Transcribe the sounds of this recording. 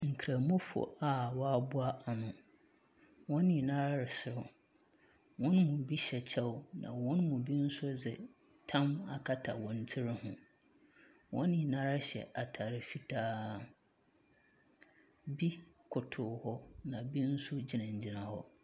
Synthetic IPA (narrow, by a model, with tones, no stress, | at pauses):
ŋ̩˨kʰɾa˨mũ˦fɔ̰˨a˨wɔ˦a˦bʊ˦a˦ʔa˨nʊ̃˨ | wɔ̃˦nːɪ̃˨nã˦ɾa˦ɾɪ˨sɪ˨ɾʊ˨ | wɔ̃˦n˦mʊ̃˨bi˦ɕɛ˨t͡ɕʰɛ˦wnã̰˨wɔ̃˦nmʊ̃˨di˦n̩˦sʊ˦d͡zɛ˨ | tʰã˦ma˨kʰa˦tʰa̰˨wɔ̃˨n̩˦tʰɪ˦ɾɪ˦hʊ̃˨ | wʔɔ̰̃˦nːɪ̃˨nã˦ɾa˦ɕɛ̰˨ʔa˨tʰa˨ɾɪ˨fi˦tʰaː˦ | bi˦ | kʰʊ˨tʰʊ˨hɔ˦nã˨bi˦n̩˦sʊ˦d͡ʑɪ˨nɪ̃˨ɲ̩˨d͡ʑɪ˦nã˨hɔ˦